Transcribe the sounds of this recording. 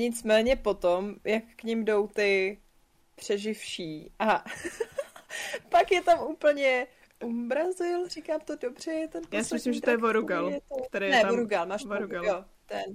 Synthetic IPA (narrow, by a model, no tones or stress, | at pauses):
ɲɪt͡smɛːɲɛpo̞t̪omjakːɲɪmdo̞wt̪ɪ | pr̝̥ɛʒɪfʃiːʔa | pakjɛt̪amuːpl̩ɲɛ | ʔumbɾazɪlrikaːmt̪odobr̝̥ɛjɛt̪ɛnpjaːsɪmɪslɪmʒɛojɛvoɾuɡaljɛt̪ot̪ɛɾɛjnɛoɾuɡalmaːʃɾujo | t̪ɛn